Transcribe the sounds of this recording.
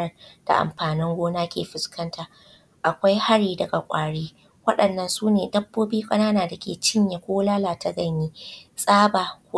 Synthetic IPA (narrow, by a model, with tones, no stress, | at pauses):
ɐ˦d̥a̰˨ʔa̰˨mɸaː˨nɪ˦ŋɡʷoː˦naː˦kʲʰeː˨ɸɪ˨skʰɐ˦ntʰa˨ | ʔa˨kʷa˦jha˦ɽiː˨dɐ˨ɡa˨kʷʼaː˨ɽiː˦ | wɐ˦ɗɐ˨nːɐ˨nsuː˦neː˨dɐ˦bːoː˦biː˦kʼɐ˦naː˦naː˨da˨kʲḛː˨t͡ʃɪ˦ɲja˨kʷoː˦laː˦laː˨tʰa˦ɡɐ˦ɲjiː˦sʼaː˦baː˨kʷː